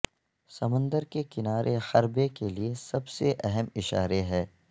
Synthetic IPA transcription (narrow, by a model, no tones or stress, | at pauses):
sɐmə̃nd̪əɾkekɪnaːɾʔexɐɾbekeliesɐbseʔɛɦəmɪʃa̰ːɾeɦɛː